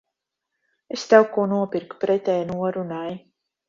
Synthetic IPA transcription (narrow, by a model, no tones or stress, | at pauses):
est̪ɛwkuɔnuɔpiɾkpɾɛt̪ʲɛːjnuɔɾunaj